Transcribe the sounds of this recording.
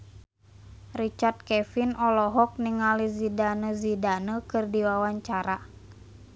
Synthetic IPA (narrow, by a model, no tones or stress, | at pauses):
rit͡ʃart̪̚kɛfinɔlɔɦɔk̚niŋalizidanəzidanəkɨrdiwawaɲt͡ʃaɾa